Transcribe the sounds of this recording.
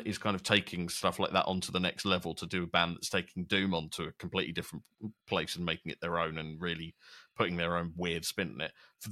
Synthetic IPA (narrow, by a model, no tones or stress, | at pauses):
ʔɪz̥kʰãɪ̃ndəv̥tʰeɪkʰɪ̃ŋstʌflaɪk̚ðə̰ʔntʰəðənɛkstˡlɛvəlˠtʰədəːbãnðətstʰeɪkʰɪ̃ŋdʉ̃ːmə̃ntʰəːkʰə̃m̩pʰl̥ḭˑʔlidɪfɹə̃n | pʰl̥eɪsə̃nmeɪkɪ̃ŋɪ̰ʔðəɹə̃ʊ̃nə̃nɹɪəlipʰʊɾɪ̃ŋðəɹə̃ʊ̃nwɪəd̥spɪ̃nɪ̰̃nɪ̰t̚fə